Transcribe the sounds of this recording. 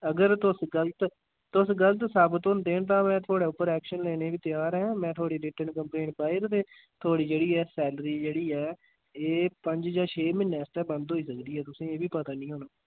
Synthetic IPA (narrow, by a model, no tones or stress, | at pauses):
əɡəɾt̪ʊsɡəlt̪ | t̪ʊsɡəlt̪səbt̪ɦʊ̃nd̪eːnt̪ãːmɛ̃ːt̪ʰʊaːɽeːʊpːəɾɛːkʃənleːneːbiːt̪ɪjaːɾɛ̃ːmɛ̃ːt̪ʰaːɽiːɾɪʈənkəmplẽːɳpaːiɾt̪eː | t̪ʰʊaːɽiːd͡ʒeːɽiːɛːsɛːləɾiːd͡ʒeːɽiːɛː | eːpəɲd͡ʒd͡ʒaːt͡ʃʰeːmɪnːɛ̃ːst̪ɛːbənd̪ɦoːiːsəkd̪iːɛːt̪ʊsĩːeːbiːpət̪aːnĩːɦoːnaː